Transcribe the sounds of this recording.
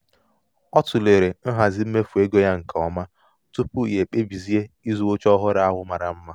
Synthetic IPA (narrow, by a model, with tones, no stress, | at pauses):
ɔ˦tʊ˨le˨ɾe˨n̩˦ɦa˨zɪ˦m̩˦me˦fu˨e˦ɡo˦ja˦ŋ̩˨kʰa˨ɔ˨ma˦ | tʊ˦pʊ˦˨je˨k͡pe˦bi˨zi˦e˦i˦zu˨o˦t͡ʃɔ˦ɦʊ˦ɾa˦a˦ɦʊ˦ma˨ɾa˨m̩˦ma˦